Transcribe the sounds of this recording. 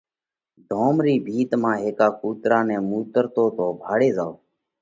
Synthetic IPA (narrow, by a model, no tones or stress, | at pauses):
d̪ʱoːmɾiːbʱiːt̪mãːɦeːkaːkuːt̪ɾaːnɛ̃ːmuːt̪əɾt̪oːt̪oːbʱaːɽeːzaːoː